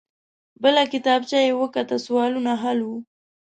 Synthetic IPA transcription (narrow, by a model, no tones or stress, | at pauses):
bəlakɪt̪ɑb̚t͡ʃajewəkat̪aswɑlunaɦalwu